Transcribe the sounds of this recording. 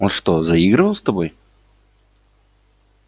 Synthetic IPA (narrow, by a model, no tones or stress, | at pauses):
onʂt̪ozɐiɡɾɨvəlˠst̪ɐbo̞j